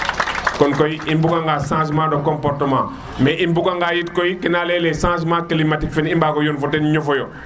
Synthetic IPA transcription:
kɔnkojiimbuɡaŋɡaːsãːs̬mãːdokompɔɾtəmã̰ | mɛʔimbuɡaŋɡaːjitkojikinaːlɛlɛsãːs̬mãkilimatikfɛnimbaːkojonfɔtenɲɔfɔjo

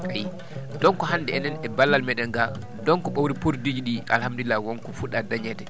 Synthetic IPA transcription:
aj | dɔŋkɔɦanːdɛɛnɛnɛbalːalmɛɗɛŋɡa | dɔŋkɔɓawɾipuɾdid͡ʒiɗia̰lhamduilːawɔŋkɔfuɗadaɲɛdɛ

